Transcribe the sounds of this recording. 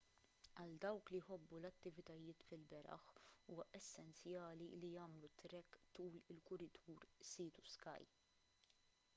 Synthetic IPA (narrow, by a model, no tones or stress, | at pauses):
ɐld̪ɐwklijħɔbːulɐt̪ːɪvɪt̪ɐjɪːt̪fɪlbɛɾɐ̰ħuːɐʔɛsːɛnt͡sjɐːlilijɐːmlut̪ːɾɛkːt̪uːlɪlkʊɾɪt̪ʰuːɾsiːt̪u̥skɐ̰j